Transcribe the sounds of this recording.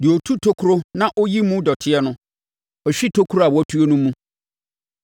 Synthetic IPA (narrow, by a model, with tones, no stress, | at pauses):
dɪ˨ɔ˨tʰu˦tʰo˦kʰʊ˦ɾo˦nã˦ʔɔ˦ji˦mũ˦dɔ˨tʰɪ˦ɛ˦nʊ̃˦ | ɔ˨ɕᶣi˦tʰo˦kʰu˦ɾa˨wɔ˦tʰu˦o˦nũ˦mũ˦